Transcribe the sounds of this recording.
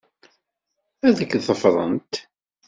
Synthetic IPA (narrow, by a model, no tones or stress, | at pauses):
æðəkːθəfɾˤə̰nt̪